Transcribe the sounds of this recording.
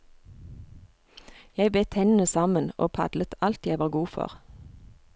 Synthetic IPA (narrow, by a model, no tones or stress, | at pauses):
jæɪbeːt̪hɛnən̩əsɑməno̰ːpʰɑ̰d̪lət̪ʰɑlt̪jæɪʋɑːɡuːfɔ̰ʁ